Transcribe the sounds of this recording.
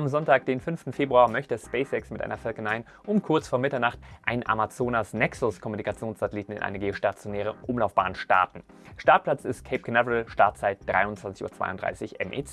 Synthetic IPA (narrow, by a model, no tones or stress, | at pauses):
ʔamzɔntaːk̚d̥eːnfʏnftn̩feːbʁuaːɐmœçtəspɛɪsɛksmɪtʔa̰ɪnɐfœlkənaɪən | ʔʊmkʰʊɐt͡sfoːɐmɪtɐnaχtʔaɪnʔa̰mat͡soːnasnɛksʊskʰɔmunikat͡sjoːnsz̥atəliːtn̩ɪ̰nʔa̰ɪnəɡeːoʃtat͡sjonɛːʁ̞əʔʊmlaʊfb̥a̰ːənʃta̰ɐtn̩ʃtaɐt̚pʰl̥at͡sɪst̚kʰeɪp̚kʰənɛvəʁəlʃtaɐt̚t͡saɪt̚d̥ʁa̰ɪʊntt͡sv̥ant͡sɪçuːɐt͡sv̥a̰ɪʊntd̥ʁa̰ɪsɪçʔɛ̰mʔḛt͡sː